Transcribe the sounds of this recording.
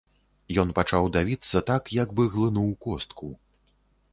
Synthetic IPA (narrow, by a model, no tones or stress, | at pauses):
jɔnpat͡ʂawd̪avʲit̪sːɐt̪akjɐɡbɨɣlˠɨnuwkɔst̪kʰu